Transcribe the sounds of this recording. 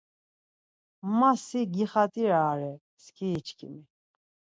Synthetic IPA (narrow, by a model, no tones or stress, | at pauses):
masiɡiχat̪ʼiɾaːɾɛ | skʰiːt͡ʃʰkʰʼḭmi